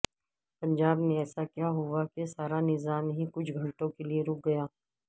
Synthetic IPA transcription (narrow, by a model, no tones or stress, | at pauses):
pɐ̃ɲd͡ʒaːbneɛːsakjaːɦʊakesaːɾanɪzaːmɦikʊt͡ʃʰɡʱɐ̃ɳʈõkelieɾʊk̚ʰɡɐjaː